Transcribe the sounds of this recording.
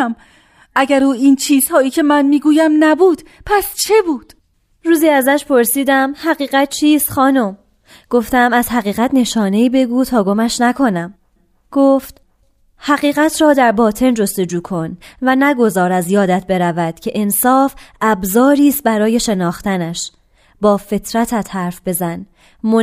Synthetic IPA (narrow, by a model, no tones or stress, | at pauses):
m | ʔæɟæɾuːint͡ʃʰiːz̥hɒːiːcʰe̞mænmiːɡuːjæmnæbuːd̪̥pʰæst͡ʃʰebuːd̪̥ | ɾuːziːæzæʃpʰo̞ɾsiːd̪æmhæɣiːɣæt̪̚t͡ʃʰiːst̪xɒːnom | ɡ̥o̞ft̪æmæz̥hæɣiːɣæt̪ne̞ʃɒːne̞iːbe̞ɡuːt̪ʰɒːɡo̞mæʃnækʰo̞næm | ɡ̥oːft̪ | hæɣiːɣæt̪ʰɾɒːd̪æɾbɒːt̪ʰe̞nd͡ʒo̞st̪e̞d͡ʒuːkʰo̞nvænæɡo̞zɒːɾæzjɒːd̪æt̪̚be̞ɾævæd̪̥cʰe̞ʔensɒːfʔæbzɒːɾiːst̪̚bæɾɒːje̞ʃe̞nɒːxt̪ænæʃ | bɒːfe̞t̪ʰɾæt̪ʰæt̪hæɾfbe̞zæn | mo